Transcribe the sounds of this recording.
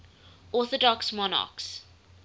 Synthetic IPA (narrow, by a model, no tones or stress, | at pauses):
ɔθɔdɔksmɔna̰ks